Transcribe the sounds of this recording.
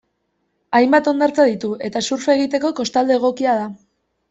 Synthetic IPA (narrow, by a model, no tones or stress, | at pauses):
ajmbat̪o̞nd̪aɾt͡saðit̪ue̞t̪asuɾfe̞ːɣ̞it̪e̞ko̞ko̞st̪ald̪e̞ːɣ̞o̞kiað̞a